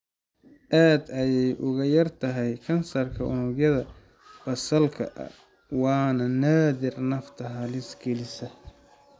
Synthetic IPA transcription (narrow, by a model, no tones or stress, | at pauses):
ʔaːd̪ɐjɛjʔʊɣɐjɐrt̪ʰɐɦɛjkʰɐnsɐrkʰɐʔʊnʊɡjɐðɐ | b̥ɐsɐlkʰɐ̰ʔɐ̰ | wɑːnɐnaːdɪrnɐft̪ʰɐɦɐlɪsɡɛlɪsɐ